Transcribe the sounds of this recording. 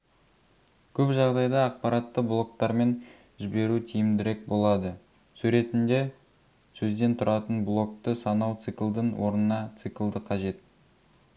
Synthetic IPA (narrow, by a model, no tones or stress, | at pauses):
kʲʰɵpʒɑʁd̪ɑjd̪ɑːq̚pɑɾɑt̪ːəblˠo̞k̚t̪ɑɾme̞n | ʒɪbe̞ɾut̪ʰijɪmd̪ɪɾe̞k̚bo̞lˠɑd̪ə | sʉɾe̞t̪ɪnd̪e̞ | sɵzd̪e̞nt̪ʰʊɾɑt̪ənblˠo̞k̚t̪əsɑnɑwt̪sɨklˠd̪əɴwo̞ɾnənɑt̪sɨkʲlˠd̪əqʰɑʒe̞t̪̚